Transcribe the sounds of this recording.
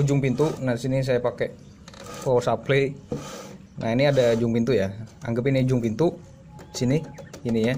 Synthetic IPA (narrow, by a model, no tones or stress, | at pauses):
d͡ʒʊŋpint̪unasinis̬ajapakɛ | fosaple | nʔainiadad͡ʒuŋpint̪ujaa̰ŋɡəp̬inad͡ʒʊŋpint̪u | siniinija